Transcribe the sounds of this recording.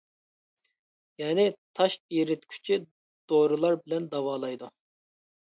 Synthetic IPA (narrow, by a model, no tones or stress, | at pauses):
jɛːnɪt̪ʰɑʃiɾɪt̪kʲʰy̥t͡ʃʰi | d̪̥oɾɨlˠɑɾbɪlɛnd̪ɑwɑːlˠɑjd̪u